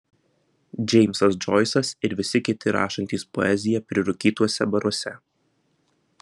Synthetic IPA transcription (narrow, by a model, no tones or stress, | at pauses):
d͡ʒʲɛɪmʲsɐsd͡ʒɔɪsɐsɪɾʋʲɪsʲɪkʲɪt̪ʲɪɾɑ̰ːʃɐnʲt̪ʲiːspɔ̰ɛzʲɪjɛpʲɾʲɪɾʊkʲiːt̪uɔsʲɛbɐɾuɔsʲɛ